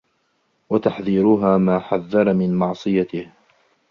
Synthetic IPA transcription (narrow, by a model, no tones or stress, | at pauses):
wat̪aħðiːɾʊɦaːmaːħaðːɑɾˤɑmɪnmɑʕsˤɨjat̪ɪh